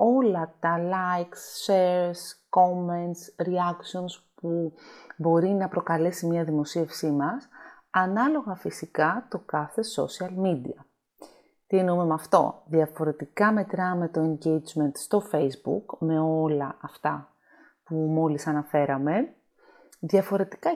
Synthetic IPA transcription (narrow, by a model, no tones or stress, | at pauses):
o̞lɐt̪ɐlɐjksːeɾsko̞ment̪sɾiɐksio̞nspubo̞ɾinɐpɾo̞kɐle̞simɲɐðimo̞sie̞fsimɐs | ɐnɐlo̞ɣɐfisikɐt̪o̞kɐθe̞so̞̰siɐlmid̪ḭɐ | t̪ienume̞mɐft̪o̞̰ðjɐfo̞ɾe̞t̪ikɐme̞t̪ɾɐme̞t̪o̞e̞ɲɟejd͡zme̞nt̪st̪o̞fe̞jzbṵkme̞o̞lɐɐft̪ɐ | pumo̞lisɐnɐfe̞ɾɐme̞ | ðjɐfo̞ɾe̞t̪i̥kɐ